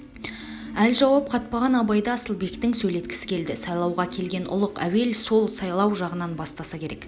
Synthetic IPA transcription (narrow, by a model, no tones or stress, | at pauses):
ælʒɑwɑp̚qʰɑt̪̚pɑʁɑnɑbɑjd̪ɑsəlˠbe̞kt̪ɪŋsɵjle̞t̪kʲɪ̥sɪ̥kʲʰe̞ld̪ɪsɑjlˠɑwʁɑkʲʰe̞lɡʲe̞nʊ̰lˠəqæ̰we̞lso̞lˠsɑjlˠɑwʒɑʁənɑnbɑst̪ɑsɑkʲʰe̞ɾe̞k